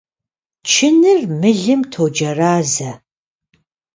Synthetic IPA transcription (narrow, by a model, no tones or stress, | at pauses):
t͡ʃʰɪnɨrmɨɮɨmtʰoːd͡ʒɐraːzɐ